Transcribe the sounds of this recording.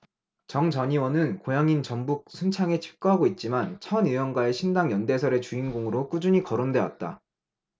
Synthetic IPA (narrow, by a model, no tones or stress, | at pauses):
t͡ɕʌŋt͡ɕʌɲiwʌnɯnkojaŋint͡ɕʌmbuk̚sʰunt͡ɕʰaŋe̞t͡ɕʰi̥p̚k͈oɦaɡoit̚t͡ɕ͈imant͡ɕʰʌnɯjʌnɡwae̞ɕʰindaŋjʌnde̞sʰʌɾe̞t͡ɕuinɡoŋɯɾok͈ud͡ʑuɲikʌɾondwe̞wa̰t̚t͈a̰